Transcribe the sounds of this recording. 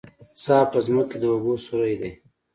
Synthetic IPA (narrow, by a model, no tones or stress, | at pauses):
sɑːpəzməked̪əobosuɾajd̪ej